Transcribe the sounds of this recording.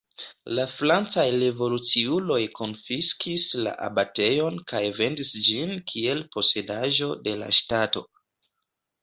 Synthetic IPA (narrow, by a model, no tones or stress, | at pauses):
laflant͡sajɾevo̞lut͡siulo̞jkʰo̞nfiskʰisla̰ʔa̰bate̞jo̞nkajve̞ndisd͡ʒinkʰie̞lpo̞se̞daʒo̞de̞la̰ʃtato̞̰